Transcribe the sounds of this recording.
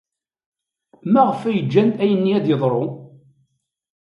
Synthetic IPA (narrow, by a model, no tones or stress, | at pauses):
mæʁəfæjəd͡ʒːænt̪æjənːiæd̪jəðˤɾˤo